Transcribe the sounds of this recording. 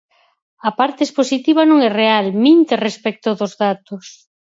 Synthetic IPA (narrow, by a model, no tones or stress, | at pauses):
ɐpaɾt̪eesposit̪iβ̞anõŋɛrealmint̪erespɛk̚t̪oðʊzðat̪ʊs